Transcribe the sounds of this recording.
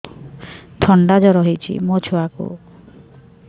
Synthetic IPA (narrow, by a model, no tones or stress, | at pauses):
t̪ʰɔɳɖad͡ʒɔɾɔɦit͡ʃʰḭmot͡ʃʰuakṵ